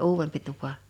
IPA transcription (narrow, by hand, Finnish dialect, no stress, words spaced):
uːwempi tupɑ